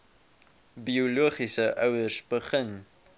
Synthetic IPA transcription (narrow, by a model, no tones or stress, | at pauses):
bioluəχisəʔəwəsbəχən